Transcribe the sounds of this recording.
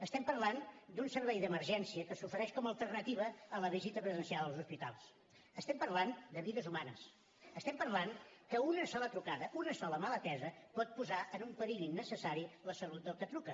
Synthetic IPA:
əst̪ɛmpəɾland̪unsəɾβɛjðəməɾʒɛnsiəkəsufəɾɛʃkɔməːlˠt̪ərnət̪iβ̞əːləβizit̪əpɾəzənsialˠəlˠzuspit̪a̰lˠs | əst̪ɛmpəɾland̪əβiðəzumanəs | əst̪ɛmpəɾlankəunəsɔlət̪ɾukaðəʔunəsɔləmalət̪ɛzəpɔt̪̚puzaʔənumpəɾiʎinːəsəsaɾiləsəlut̪̚d̪əlˠkət̪ɾukə

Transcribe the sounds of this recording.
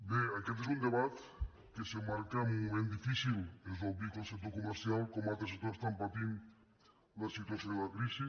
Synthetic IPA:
beakɛt̪̬ezund̪eβat̪ | kesemaɾkamumumẽnd̪ifisilezoβikolˠsek̚t̪̬okumeɾsialˠkomalt̪ɾesek̚t̪oɾest̪ampat̪in | lasit̪uasjonelakɾiʃi

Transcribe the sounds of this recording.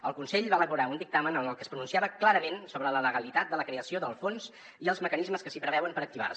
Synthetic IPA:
əlˠkunsɛʎβaələβuɾaund̪ik̚t̪amənənəlˠkəspɾununsiaβəklaɾəmensoβələləɣəlit̪at̪̚d̪ələkɾeəsioðəlˠfons | iəlˠzməkənizməskəsipɾəβɛwəmpəɾək̚t̪iβa̰r

